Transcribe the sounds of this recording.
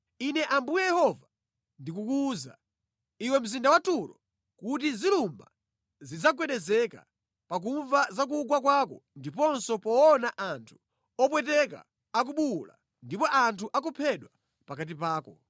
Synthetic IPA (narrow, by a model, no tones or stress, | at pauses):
inɛʔambujɛjɛhɔva | ndikukuːza̰ | iwɛm̩zindawatuɾɔ̰ | kut̬izilumba | zid͡zak̬wɛɗɛzɛka̰ | pak̬uɱvazak̬uɡwakwaːkɔndipɔnsɔpɔːnaʔantʰu̥ | ɔp̬wɛtɛka̰ː | k̬uɓula̰ | ndipɔʔantʰuʔak̬upʰɛɗwa | pakat̬ipaːkɔ